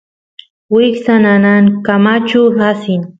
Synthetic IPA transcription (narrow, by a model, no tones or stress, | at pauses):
wɪksananankamat͡ʃʊɾasɪn